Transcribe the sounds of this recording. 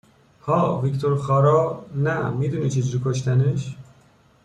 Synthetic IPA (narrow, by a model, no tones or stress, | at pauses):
hɒːvikt̪ʰoɾxɒːɾɒːnæmiːd̪uːnit͡ʃʰed͡ʒuɾikʰoʃ̬t̪æneʃ